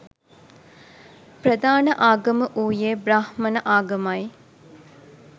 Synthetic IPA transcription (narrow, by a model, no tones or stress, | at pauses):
prɐd̪aːnəʔaːɡɐməʔuːjeːbɾahmɐnəʔaːɡɐmɐj